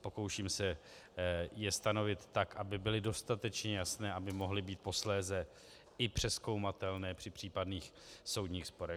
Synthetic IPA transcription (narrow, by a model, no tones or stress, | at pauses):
po̞kowʃiːmsɛ | jɛst̪ano̞vɪt̪ːakʔabɪbɪlɪdo̞st̪at̪ɛt͡ʃɲɛjasnɛːʔabɪmo̞ɦlɪbiːt̪̚po̞slɛːzɛ | ɪpr̝̥ɛsko̞wmat̪ɛlnɛːpr̥ɪpr̝̥iːpadniːxso̞wdɲiːxspo̞ɾɛ